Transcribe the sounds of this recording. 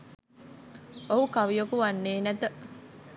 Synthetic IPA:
oɦukaʋijokuʋanːeːnæt̪ə

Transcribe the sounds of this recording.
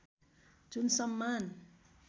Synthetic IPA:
d͡zunsʌmːan

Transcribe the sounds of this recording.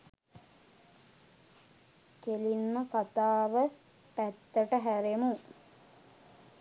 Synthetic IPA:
kelinməkat̪aːʋə | pæt̪ːəʈəɦæɾemu

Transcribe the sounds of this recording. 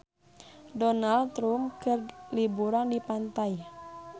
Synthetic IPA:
dɔnalt̪ɾumkərlibuɾandipant̪aj

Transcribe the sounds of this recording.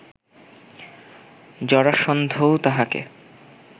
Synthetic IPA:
d͡ʑɔɾaʃond̪ʱowt̪aɦakḛ

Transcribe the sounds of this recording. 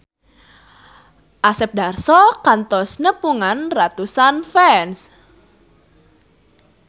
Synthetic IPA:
ʔasɛp̚darsɔkant̪ɔsnəpuŋanrat̪usanfɛns

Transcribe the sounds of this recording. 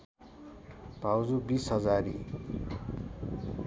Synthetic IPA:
b̥ʱawd͡zubisɦʌd͡zaɾḭ

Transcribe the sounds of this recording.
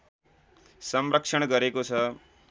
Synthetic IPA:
səmɾəkʂəɳ̃ɡəɾekosʰə

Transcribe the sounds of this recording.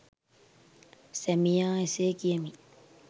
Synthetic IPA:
sɛmijãːeseːkiemi

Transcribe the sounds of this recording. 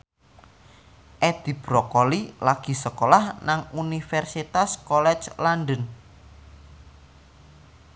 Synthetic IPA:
ʔɛd̪̥i̤b̥ɾɔkolilaɡ̥i̤səkolahnaŋunifɛrsit̪askɔlɛ̥t͡ʃlanɖən

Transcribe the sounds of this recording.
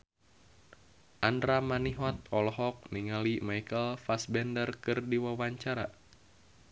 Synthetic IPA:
ʔandɾamaniɦɔt̪̚ɔlɔɦɔk̚niŋalimajkəlfasbɛndərkɨrdiwawaɲt͡ʃaɾa

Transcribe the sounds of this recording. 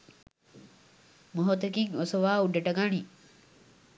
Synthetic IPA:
moɦot̪ekiŋosoʋaːuɖeʈɐɡani

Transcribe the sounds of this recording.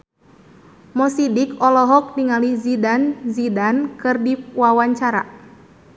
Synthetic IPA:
mɔsidikɔlɔɦɔk̚niŋalizidanzidankɨrdiwawaɲt͡ʃaɾa̰

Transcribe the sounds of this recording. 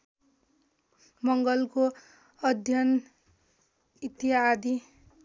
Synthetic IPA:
mʌŋɡʌlko | ʌd̪ʱjʌn | it̪iad̪ʱi

